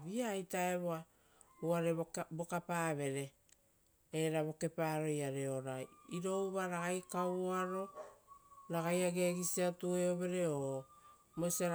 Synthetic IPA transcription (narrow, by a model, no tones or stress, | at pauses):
βiaːjtaeβoa | uaɾebo̞kapaːβe̞ɾe̞ | eɾaβo̞ke̞paɾo̞jaɾe̞oɾajiɾo̞uβaɾaɣajkawaɾo̞ | ɾaɡajaɡe̞ɡisiatueoβe̞ɾe̞o | mosa